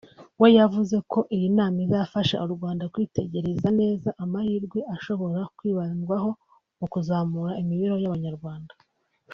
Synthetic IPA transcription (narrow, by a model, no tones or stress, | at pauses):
wejavuze̞ko̞ʔijinaːmizafaʃa̰ʔuɾuɡwaːndakwiːte̞ɟe̞ɾe̞zane̞ːzaʔamahiːɾɡwe̞ʔaʃo̞βo̞ɾakwiːβanɡwaɦo̞ | mukuzaːmuɾaimiβiɾo̞jaβaɲaɾɡwaːnda